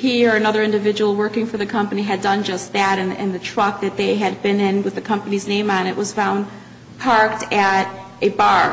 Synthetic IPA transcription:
hiə˞ɨnʌðə˞ɪ̃ndɨvɪd͡ʒɨwl̩ˠwɜ˞kɪ̃ŋfə˞ðɨkʰʌ̃mpɨniɨdʌ̃nd͡ʒʌst̪̚ðɨɾɨ̃nɨ̰̃nðɨtʰɹ̥ʌk̚ðɨt̪̚ðeɪɨd̚bɪ̃nɪ̃nwɨðɨkʰʌ̃mpɨniznẽɪ̃mə̃nɨʔwʌz̥fãʊ̃n | pʰɑɹk̚tɨɾʔɨbɑɹ

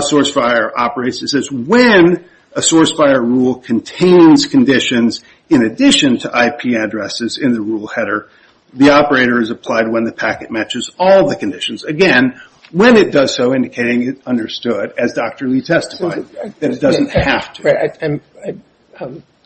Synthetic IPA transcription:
sɔɹsfaɪə˞ʔɑ̰pə˞eɪtsɨtsɛzwɨ̃n | əsɔɹsfaɪə˞ɹulˠkʰɨ̃ntʰẽɪ̃nz̥kʰɨ̃ndɪʃɨ̃nz | ɨ̃nɨdɪʃɨ̃ntʰɨʔaɪpʰiɨdɹɛsɨzɪ̃nðɨɹulˠhɛɾə˞ | ðiɑpə˞eɪɾə˞ɨzɨpʰl̥aɪd̚wə̃nðɨpʰækɨt̚mæt͡ʃɨzɔlˠðɨkɨ̃n̩dɪʃɨ̃n̩zɨɡɛ̃n | wɨ̃nɨt̚d̥ʌz̥soʊɪ̃ndɨkʰeɪɾɪ̃ŋɪzʌ̃ndə˞stʊɾɨzdɑk̚tə˞lˠitʰɛstə̥faɪðɨɾɨt̚d̥ʌzɨ̃n̩t̚hæftʰ | ɪ | ʌ

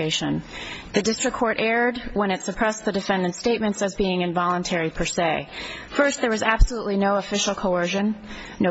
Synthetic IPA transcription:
eɪʃɨ̃nðɨdɪstɹ̥ɨkʰːɔɹɾʔɛɹd̚wə̃ñɨtsɨpʰɹ̥ɛsðɨdɨfɛ̃ndɨ̃ntsteɪt̚mɨ̃ntsɨzbiɪ̃ŋɨ̃nvɑlˠə̃ntʰɛɹipʰə˞seɪfɜ˞st̪̚ðə˞wʌzæb̥səluʔˡlinoʊəfɪʃl̩ˠkʰoʊɜ˞ʒɨ̃nː | o

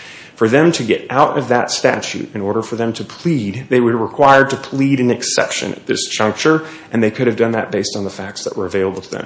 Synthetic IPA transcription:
fə˞ðɨ̃mtʰɨɡɛɾʔaʊɾʌ̰vðətstæ̰t͡ʃʉ̰ɾɨ̃nɔɹɾə˞fə˞ðɨ̃mtʰɨpʰl̥id̪̚ðeɪwɨd̚ɹɪkʰw̥aɪə˞tɨpʰl̥iɾɨ̃nɨksɛ̰pʃɨ̰̃nɨ̰t̪̚ðɪ̰sd̥ʒ̥ʌ̃ŋk̚t͡ʃə˞ | ʔɨ̃nðeɪkʰʊɾɨvdʌ̃nðɨ̰t̚b̥eɪstn̩ðəfæk̚tsðə̰ʔwə̰˞ɨveɪlˠəbl̩ˠtʰəðɨ̰̃m

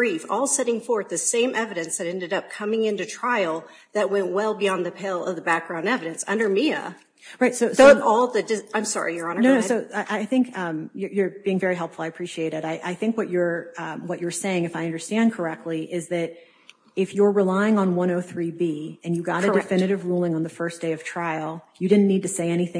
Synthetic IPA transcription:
b̥ɹifɔlˠsɛɾɪ̃ŋfɔɹ̚ðɨsẽɪ̃mʔɛvɨɾɨ̃nsðɨɾɛ̃ndɨɾʌp̚kʰʌmɪ̃ŋɪ̃ntʉtʰɹ̥aɪl̩ˠ | ðɨt̚wɛ̃nʔwɛlˠbiɑ̃nðɨpʰelˠʌ̰vðəbæk̚ɡ̥ɹãʊ̃ndɛvɨɾɨ̃nsʌ̰̃ndə˞miɨ̰ | ɹaɪtsoʊsoɔlˠðɨdɨãɪ̃msɑ̰ɹḭjə˞ə̃nnoʊnoʊsoʊaɪʔaɪθɪ̃ŋkʌ̃mjə˞jə˞b̥iɪ̃ŋvɛɹiɦɛlˠpfl̩ˠaɪɨpʰɹ̥iʃieɪɾɨɾaɪʔaɪθɪ̃ŋkwʌt͡ʃə˞wʌt͡ʃə˞seɪɪ̃ŋɨfaɪʌ̃ndə˞stæ̃nkʰə˞ɛk̚tˡliʔɪzðɨɾ | ɪfjə˞ɹɨlaɪɪ̃ŋə̃nwʌ̃ɾ̃oʊθɹibiɨ̃njɨɡɑɾɨdɨfkɪ̃nɨɾɨvɹulˠɪ̃ŋə̃nðɨfɜ˞sd̥eɪʌv̥tʰɹ̥aɪl̩ˠjɨdɪdⁿn̩nid̚tɨseɪɛñiθɪ̃

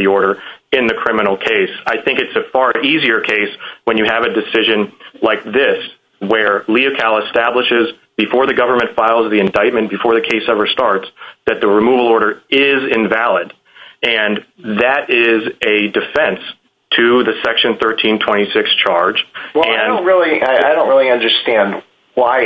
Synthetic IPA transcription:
iɔɹɾə˞ɨ̃nðɨkʰɹ̥ɪ̃mənl̩ˠkʰeɪsaɪθɪ̃ŋkɨtsɨfɑɹʔiziə˞kʰeɪswə̃njɨɨvɨdɨsɪʒɨ̃nlaɪk̚ðɪs | wə˞liɨkʰælˠəstæbləʃɪz | bɨfɔɹðɨɡʌvə˞mɨ̃ntfaɪlˠzðiɨ̃ndaɪt̚mɨ̃nb̥ɨfɔɹðɨkʰeɪsɛvə˞stɑɹtsðɨt̪̚ðɨɹɨmuvl̩ˠɔɹɾə˞ɪzɪ̃ɱvælˠɪd | ɨ̃nðɨɾɪzɨdɨfɛ̃ns | tʰɨðɨsɛkʃɨ̃nθɜ˞tʰĩntʰw̥ɛ̃ɾ̃isɪkst͡ʃʰɑɹd͡ʒwɛaɪ̃noʊ̃nɹɪlˠiaɪaɪɾõʊ̃nɹɪlˠiʌ̃ndə˞stæ̃nd̚ | waɪ

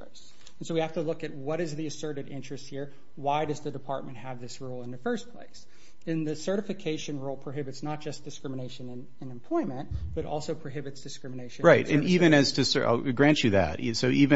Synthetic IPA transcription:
s | n̩soʊwihæftəlʊkɨt̚wʌɾɨzðiɨsɜ˞ɾɨɾɪ̃nt͡ʃɹ̥ɨst̚hiɹ | waɪdʌzðɨdɨpʰɑ̰ɹt̚mɨ̃nʔ̚hɨvðɪsɹulˠə̃nðɨfɜ˞spʰl̥ḛɪs | ɨ̃nðɨsɜ˞ɾɨfɨkʰeɪʃɨ̃nɹulˠpʰɹ̥oʊɦɪbɨtsnət̚d̥ʒ̥ʌsd̥ɨskɹɪməneɪʃɨ̃nɨ̃n | ɨ̃nɨ̃mpʰl̥ɔ̃ɪ̃mɨ̃n̚b̥ʌɾɔ̰lˠsoʊpʰɹ̥oɦɪbɨtsd̥ɨskɹɪ̃mɨneɪʃɨ̃ɹaɪt̚ɨ̰̃nivɨ̃nɨz̥tʰɨsə̰ʔa̰ɪlɡɹæ̃nt͡ʃɨðæ̰t̚soʊʔivɨ̃

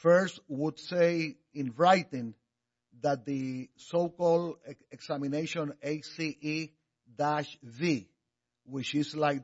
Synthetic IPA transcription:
fɜ˞stwudsej | ĩnɹajt̪ĩn | ðat̪̚d̪ɨsowkɔld̪eksamineʃõnejsiʔi | d̪aʃvi | wɪt͡ʃɪslajk̚

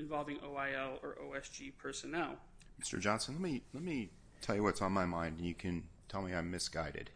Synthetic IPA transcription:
ɨ̃ɱvɑlˠvɪ̃ŋoʊaɪɛlˠə˞ʔoʊɛsd͡ʒipʰɜ˞sɨnɛlˠ | mɪ̥stə˞d͡ʒɑ̃nsə̃nlɛt̚milɛt̚mi | tʰɛlˠjɨwʌtsn̩maɪmãɪ̃ndɨ̃n̩jɨkʰɨ̃ntʰɛlˠmiãɪ̃mːɨsɡ̥aɪɾɨ̰d̥

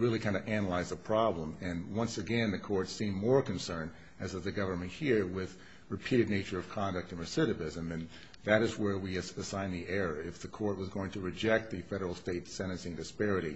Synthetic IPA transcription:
ɹɪlˠikʰãɪ̃nɨʔænəlaɪzðəpʰɹ̥ɑblə̃mɨ̃nwʌ̃nsɨɡɛ̃nðɨkʰɔɹtsĩmːɔɹkɨ̃nsɜ̃˞n | ɨzɨzðɨɡʌvə˞mɨ̃nt̚hiɹwɪð | ɹɨpʰiɾɨdⁿneɪt͡ʃə˞ʌv̥kʰɑ̃ndɨk̚tɨ̃nɨsɪɾɨvɪzɨ̃mðɨ̃n | ðɨɾɨzwə˞wiɨsãɪ̃nðiʔɛɹəɪfðɨkʰɔɹt̚wʌzɡoʊɪ̃ŋtʰɨɹɨd͡ʒɛk̚t̪̚ðɨfɛɾə˞l̩ˠsteɪtsɛ̃ɾ̃ɨ̃nsiɨ̃ndɨspɛɹɨɾḭ

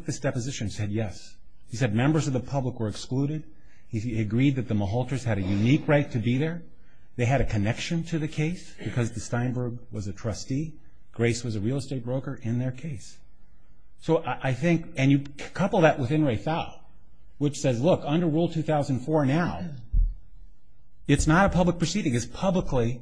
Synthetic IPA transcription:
k̚ðɪsd̥ɛpɨzɪʃɨ̃nsɛd̚jɛs | hisɛd̚mɛ̃mbə˞zʌvðəpʰʌbləkwə˞ɨkskluɾɪd̚ | hiɨɡɹid̪̚ðɨt̪̚ðəməɦɔlˠtə˞z̥ɨɾɨjʉnikɹaɪtʰɨbiðə˞ | ðeɪɨɾɨkʰɨnɛkʃɨ̃ntʰɨðɨkʰeɪsb̥ɨkʰʌzðɨstãɪ̃mbə˞ɡwʌzɨtʰɹ̥ʌsti | ɡ̥ɹeɪswʌzɨɹilˠsteɪt̚b̥ɹoʊkə˞ʔɪ̃nðə˞kʰeɪs | oʊʔʔaɪθɪ̃ŋkɨ̃njɨ | kʰʌpl̩ˠðɨʔ̚wɨθɪ̃nɹeɪfaʊlˠ | wɨt͡ʃsɛzlʊkʌ̃ndə˞ɹulˠtʰʉθaʊzɨ̃n̩d̥fɔɹnaʊ | ɨtsnəɾəpʰʌblək̚pʰɹ̥əsiɾɪ̃ŋɨz̥pʰʌbləkli

